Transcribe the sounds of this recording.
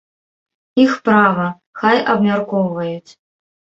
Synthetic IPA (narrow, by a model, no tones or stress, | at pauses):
ixpɾavɐ | xajɐbmʲarkɔwvɐjut͡sʲ